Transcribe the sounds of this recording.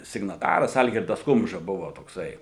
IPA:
sʲɪɡnɐˈtɑːrɐs ˈɐlʲɡʲɪrdɐs ˈkʊmʒɐ ˈbʊʋoː toːkˈsɐɪ

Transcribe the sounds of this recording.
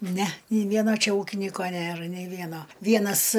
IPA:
nʲɛ nʲɛɪ ˈʋʲiɛnoː ˈt͡ʃʲɛ ˈuːkʲɪnʲiːkoː ˈnʲeːr nʲɛɪ ˈʋʲiɛnoː ˈʋʲiɛnɐs

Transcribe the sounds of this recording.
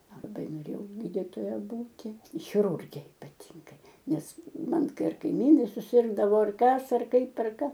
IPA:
lˠɐˈbɐɪ noːˈrʲeːjɛʊ ˈɡʲiːdʲɪtoːjɛ ˈbuːtʲɪ xʲɪˈrʊrʲɡʲɛ ɪpɐˈtʲiːŋɡɐɪ ˈnʲɛs ˈmɐn ˈkɐɪ ˈɐr kɐɪˈmʲiːnɐɪ sʊˈsʲɪrɡdɐʋoː ˈɐr ˈkɐs ˈɐr ˈkɐɪp ˈɐr ˈkɐ

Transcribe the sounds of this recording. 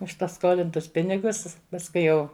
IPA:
ʊʃ pɐˈskoːlʲɪntʊs ˈpʲɪnʲɪɡʊs pɐsˈkʊɪ jɛʊ

